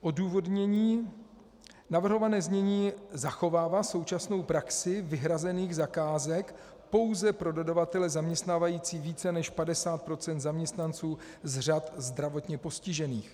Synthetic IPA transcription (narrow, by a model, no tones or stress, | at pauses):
ʔo̞duːvo̞dɲɛɲiː | navr̩ɦo̞vanɛːzmɲɛɲiːzaxo̞vaːvaso̞wt͡ʃasno̞wpɾaksɪvɪɦɾazɛniːɣzakaːzɛk | po̞wzɛpɾo̞dodavat̪ɛlɛzamɲɛst̪naːvajiːt͡siːviːt͡sɛnɛʃpadɛsaːt̪̚pɾo̞t͡sɛnt̪zamɲɛst̪nant͡suː | zr̝at̪zd̪ɾavo̞t̪ɲɛpo̞scɪʒɛniːx